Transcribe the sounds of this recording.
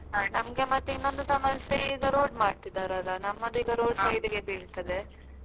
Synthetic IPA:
nɐmɡemɐt̪ːeinːond̪usɐmɐnsiɡɐɾoːɖmaːɖ̚t̪id̪aːɾɐlːɐnɐmːɐd̪uiɡɐɾoːɖsɐjɖiɡe̞biːɭt̪ɐd̪e

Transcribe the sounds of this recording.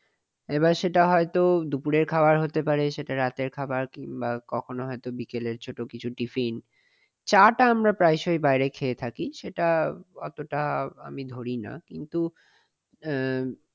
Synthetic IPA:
eβaɾʃeʈaɦɔet̪od̪upuɾeɾkʰabaɾɦot̪epaɾeʃeʈaɾat̪eɾkʰabaɾkiŋbakɔkʰonoɦɔet̪obikeleɾt͡ɕʰoʈokit͡ɕʰuʈifin | t͡ɕaʈaamɾapɾajʃojbajɾekʰeːt̪ʰakiʃeʈakɔt̪oʈaamid̪ʱoɾina̰kint̪u

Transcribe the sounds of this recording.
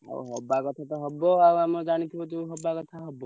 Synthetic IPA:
a̰o̰ɦɔbakɔt̪ʰat̪ɔɦɔbɔawamɔd͡ʒaɽ̃it̪ʰiot̪uɦɔbakɔt̪ʰaɦɔbɔ

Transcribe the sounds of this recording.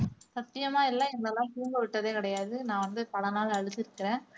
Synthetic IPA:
sɐt̪ːɪjɐmaːɪlːãɛŋɡɐɭɐlːãːk̪uːmɡɐʋɪʈːɐðeːkɐɽɐjaːðɯnãːʋɐnd̪ɯpɐlɐnaːlɐɻɯt̪ːɪɾɯkːɪɾẽː

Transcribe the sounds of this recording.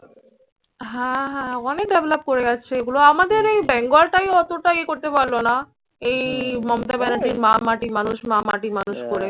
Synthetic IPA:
ɦɛ̃ɦɛ̃ɔnek̚ɖebelap̚koɾeɡɛːt͡ɕʰeɡuloamad̪eɾejbɛŋɡolʈajɔt̪oʈajkoɾt̪epaɾlona | ejmɔmot̪abɛnaɾd͡ʑiɾmamaʈimanuʃmama̰ʈimanuʃkoɾe

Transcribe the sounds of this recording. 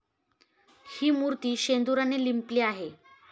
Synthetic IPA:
hiːmuɾt̪iːɕend̪uɾanelimpliːaɦe

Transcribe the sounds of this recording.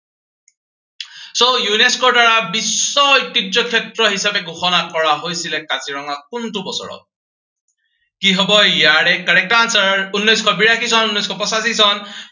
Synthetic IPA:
sɔjuneskodaɹabisːɔjtidɔkʰjetɹɔɦisabeɡʱoxɔnakɔɹaɦojsilekat͡siɹɔŋakuntubɔsɔ̰ɹɔ̰ | kiɦɔbɔjjaɽekaɹek̚tɔansaunːɔjskʰɔbiɹakʰisʰɔnunːɔjskʰɔpɔsasisʰɔn

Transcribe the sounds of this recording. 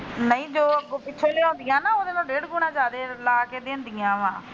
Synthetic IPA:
nəĩːd͡ʒoːɡpɪtːʃʰõːleːõːnd̪ɪjãːnaːoːd̪eːmɛ̃ːɖeːɽɡuːɽãːd͡ʒaːd̪eːlaːkeːd̪eːnd̪ɪjãːʋãː

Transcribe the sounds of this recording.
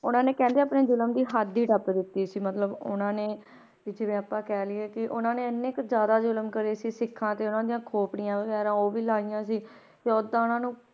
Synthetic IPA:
ʊnãːneːkɛ̃ːnd̪eːapneːd͡ʒʊləmd̪iːɦad̪ːiːʈəpd̪ɪt̪ːiːsiːmət̪ləbʊnãːneː | ɪd͡ʒʋẽːəpːãːkɛːlɪeːkɪʔʊnãːneːənekzjaːd̪aːzʊlmkəɾeːsiːsɪkʰːãːt̪eːʊnãːd̪ɪjãːkʰoːpɽɪjãːbəɡɛːɾãːoːʋiːlaːɪjãːsiː | t̪eːod̪ãːʊnãːnũː

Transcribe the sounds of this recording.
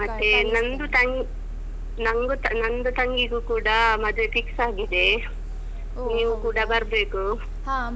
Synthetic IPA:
mɐt̪ːenɐnd̪ut̪ɐŋɡ | nɐŋɡut̪nɐnd̪ut̪ɐŋɡiɡukuːɽɐmɐd̪ʋepiksaːɡid̪e̞ | niːʋukuːɽɐbɐɾbeːku

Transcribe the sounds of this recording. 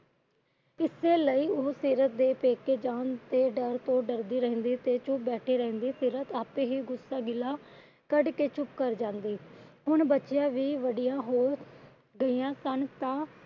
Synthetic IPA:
ɪseːləiːosiːɾət̪̚d̪eːpeːkːeːd͡ʒaːnt̪eːɖəɾt̪õːɖəɾd̪iːɾɛɦɛ̃ːnd̪iːt̪eːt͡ʃʊp̚bɛːʈʰiːɾɛ̃ːnd̪iːsiːɾət̪aːpẽːɦiːɡʊsːaːɡɪlaː | kəɖkeːt͡ʃʊpkəɾd͡ʒãːnd̪iːɦʊɳbətːt͡ʃjãːʋiːʋəɖijãːɦoː | ɡəijãːsənt̪ãː

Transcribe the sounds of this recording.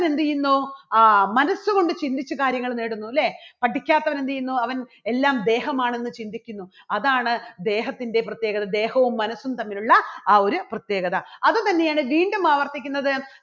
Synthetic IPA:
ne̞nd̪ijunːoːmɐnɐsːuɣo̞ɳɖɨt͡ɕind̪it͡ɕːukaːɾjɐŋːɐɭneːɽunːuleːpɐʈːikʲːaːt̪ːɐʋɐne̞nd̪ijunːoːɐʋɐn | e̞lːaːmd̪e̞ːɦɐmaːɳe̞nːɨt͡ɕind̪ikʲːunːu | ɐðaːɳɨd̪e̞ːɦɐt̪ːinde̞prɐt̪je̞ːɡɐðɐd̪e̞ːhɐʋumːɐnɐsːunt̪ɐmːiluɭːɐaːo̞ɾuprɐt̪je̞ːɡɐðɐɐðɨt̪ɐnːe̞jaːɳɨʋiːɳɖumaːʋɐrt̪ikʲːunːɐðɨ

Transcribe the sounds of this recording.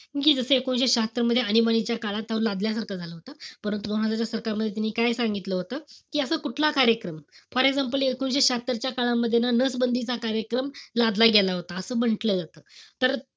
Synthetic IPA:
kuk̬iːd͡zəsəekonɕeɕat̪ɾəməd̪ʱːjeənibañit͡ɕjakaɭat̪ːaɾulad̪ljasaɾkʰəd͡zʱaləɦot̪apəɾənt̪ud̪onɦad͡zat͡ɕjasəɾkaməd̪ʱːjet̪janːiːkajsaŋɡit̪ləːɦot̪əːkiːəsəːkuʈʰlakaɾjəkɾəmfɔɾeɡd͡zamp̬əliekonɕ̬eɕat̪əɾt͡ɕjakaɭamːəd̪ʱːjenanəsbənd̪ʱit͡sakaɾjəkɾəmlad̪laɡelaɦot̪aəsəːbəɳʈləːd͡zat̪əːt̪əɾ

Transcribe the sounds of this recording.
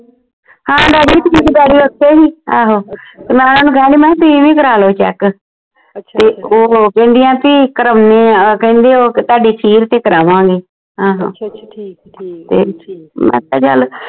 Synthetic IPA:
hãːɖaːɖiːt̪ʊĩːk̪iɡaːɽiːot̪ʰːeːɦiːaːɦoːt̪eːmɛ̃ːnaːnũːkʰɛːliːmɛ̃ːt̪ʊĩːʋĩːkəɾaːloːt͡ʃɛ̰ːk | t̪eːoːkɛ̃ːnd̪ɪjãːpiːkəɾəmneːkɛ̃ːnd̪eːoːt̪aːɖeːsiːɾt̪eːkəɾaːʋãːɡeː | ɦãːɦãː | t̪eːmɛ̰̃ːt̪ːa̰ːt͡ʃa̰l

